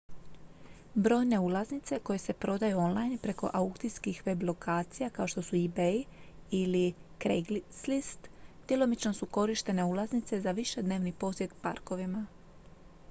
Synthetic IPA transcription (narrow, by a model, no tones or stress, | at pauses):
bɾo̞jne̞ulˠaznit̪se̞ko̞je̞se̞pɾo̞d̪ajuo̞nlˠajnpɾe̞ko̞̰ʔaukt̪iskixʋe̞blˠo̞kʰaːt̪sijakao̞ʃt̪o̞suibeiilikɾeɡlislist̪d̪̥jelˠo̞mit͡ʃno̞suko̞ɾiʃt̪e̞ne̞ulˠaznit̪se̞zaʋiʃe̞d̪neːʋnipo̞sje̞t̪pa̰ɾko̞ʋima